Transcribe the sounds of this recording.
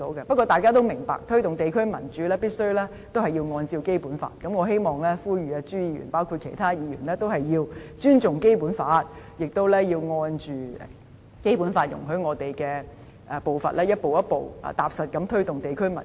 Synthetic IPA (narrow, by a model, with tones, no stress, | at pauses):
o˨˥wkɛ˧pɐ˥t̚kʷːɔː˧t̪aː˨jkaː˥t̪̬o˥wmɪ˨˩ŋpa̰ː˨k̚t̪ʰɵ˥ɥt̪ʊ˨ŋt̪e˨jkʰɵ˥ɥmɐ̰˨˩nt͡ʃyː˨˥lɛː˥piː˥t̚sɵ˥ɥlɛː˥ | t̪o˥whɐ˨jiː˧wŋɔː˧nt͡siː˧wke˥jpuː˨˥nfa̰ː˧˩t̚kɐ˨˥mŋɔː˨˧ɦe˥jmɔː˨˩ŋlɛː˥fuː˥jyː˨aː˧t͡ʃyː˥jiː˨˧ɥy̰ː˨˩npaː˥wkʰu˧t̚kʰe˨˩jt̪ʰaː˥jiː˨˧ɥy̰˨˩nlɛː˥t̪o˥wɦɐ˨jjiː˧wt͡ʃyː˥nt͡sʊ˨ŋke˥jpuː˨˥nfaː˨˥t̚jɪ˨k̚t̪o˥wlɛː˥jiː˧wŋɔː˧nt͡ʃyː˨ | ke˥jpuː˨˥nfaː˧t̚jʊ̰˨˩ŋɦɵ˨˥ŋɔː˨˧t̪e˨jkɛː˧ | ɛ˨˧po˨˩wfɐ̰˨t̚lɛː˥jɐ˥t̚po˨wjɐ˥t̚po˨w̰ːt̪aː˨˩p̚sɐ˨t̚kɐ˨˥mt̪ʰɵ˥ɥt̪ʊ˨ŋt̪e˨jkʰɵ˥mɐ̰˨˩n